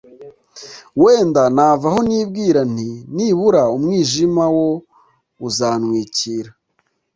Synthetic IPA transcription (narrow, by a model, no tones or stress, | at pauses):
we̞ːndanaːvaho̞niːbɡiːɾaniniːβuɾaumŋiːʒimawo | uzaːnwiːciːɾa